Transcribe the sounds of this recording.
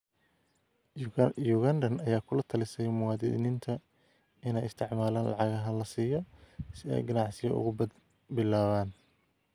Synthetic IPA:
juːɣɐnd̪ɐnɐjaːkʰʊlɐt̪ʰɐlɪsɛjmʊwɑːd̪ɪ̰nɪnt̪ʰɐ | ɪnɛjɪst̪ʰɪʕmaːlaːnlʔɑ̰ʕɑɣɐɦɐlɐsiːjɔsɪɛ̰jɡɐnɑʕsɪjɔ̰ʊ̰ɣʊbɐd̪ | bɪlaːβaːn

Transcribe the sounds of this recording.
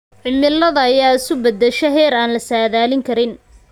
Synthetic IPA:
ʕɪmɪlːɐðɐːjaːɪsʊbɐd̪ɛʃɛɦɛːɾaːnlɐsaːðaːlɪŋkʰɐɾɪn

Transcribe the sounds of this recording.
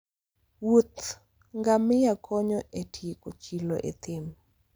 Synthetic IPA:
wot̪ | ŋɡamɪjakʰɔɲɔʔetjekot͡ʃiloʔḛt̪ɪm

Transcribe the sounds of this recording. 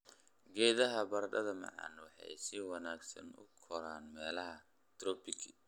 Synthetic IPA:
ɡɛːðɐɦɐbɐrɖɐðɐmɑ̰ʕɑ̰ːnwɑħɑ̰jsɪwɐnaːɡsɐ̰nʊ̰kʰɔɾaːnmɛːlɐɦɐ | t̪rɔːpʰɪkʰ

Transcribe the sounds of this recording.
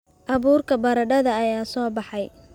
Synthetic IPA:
ʔɑβuːrkʰɐbɐɾɐɖɐðɐːjaːsɔːbɑħɑj

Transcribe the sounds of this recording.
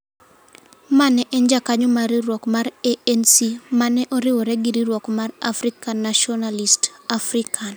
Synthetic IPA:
manɛʔɛɲd͡ʒakaɲɔmaɾiɾwɔkmaɾeɛnsimanɛʔɔɾɪwɔɾɛɡiɾiɾwɔkmaɾa̰fɾikanːaʃɔnalistafɾikʰan

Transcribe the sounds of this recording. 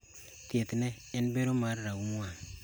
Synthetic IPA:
tietne | enbeɾomaɾɾaumuwaŋ

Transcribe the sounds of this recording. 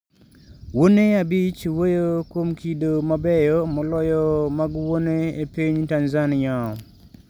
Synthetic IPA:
woneabit͡ʃwojokwomkidomabɛjɔmɔlɔjɔmaɡwoneepiɲtanzanɪa

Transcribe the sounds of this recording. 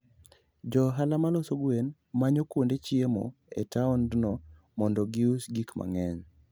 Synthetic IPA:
d͡ʒɔɦalamalɔsoɡwen | maɲokwondet͡ʃiemo̰ḛtaɔndnɔ | mɔndɔɡiusɡikma̰ŋɛɲ

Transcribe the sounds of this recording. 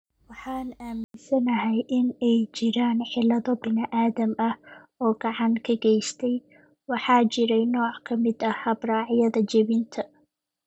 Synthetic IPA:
wɑħɑːnaːmɪnsɐnɐɦɛjʔɪnɛjt͡ʃɪɾaːnħɪlɐðɔbɪnɪʔaːðɐmɐh | ɔːɡ̥ɑʕɑŋkʰɐɡɛjst̪ʰɛj | wɑħɑːt͡ʃɪɾɛjnɔːʕkʰɐmɪd̪ɐhɐbrɑːʕɪjɐðɐd͡ʒɐβɪnt̪ʰɐ

